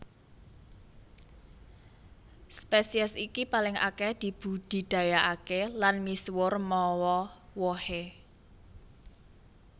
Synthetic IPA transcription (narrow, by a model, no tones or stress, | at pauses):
spesiɛsikipalɪŋʔa̰kɛd̪̥i̤b̥ṳd̪̥i̤d̪̥a̤jaʔakelanmiswʊrmɔwɔwɔhe